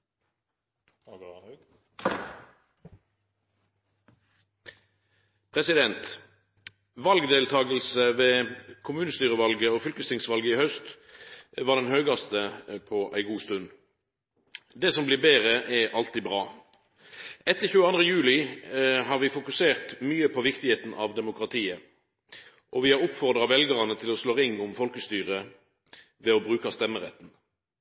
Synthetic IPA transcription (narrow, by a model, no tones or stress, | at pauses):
pʰʁɛsɪd̪ɛnt̪ | ʋɑlɡd̪eːlt̪ʰɑːɡəlsəʋeːkʰʊmʉːnəst̪yːʁəʋɑlɡəoːfʏlkəst̪ɪŋsʋɑlɡəɪhœst̪ | ʋɑːʁd̪ɛnhøːɡɑst̪əpʰɔʔæɪɡuːst̪ʉnː | d̪ɛsɔmblɪʁbeːʁəʔɛʔɑlt̪iːbʁɑː | ɛt̪ːəʁçʉːəɑnd̪ʁəjʉːlɪɦɑʁʋɪfʊkʉseːʁt̪myːəpʰɔʋɪkt̪ɪheːt̪n̩ʔɑ̰ʋd̪ɛmʊkʁɑt̪ʰiːə | ʔɔʋɪhɑʁʊpfɔʁd̪ʁɑʋɛlɡəʁɑnət̪ʰɪlɔsloːʁɪŋːʊmfɔlkəst̪yːʁə | ʋɛɔbʁʉːkɑst̪ɛmːəʁɛ̰t̪ːn̩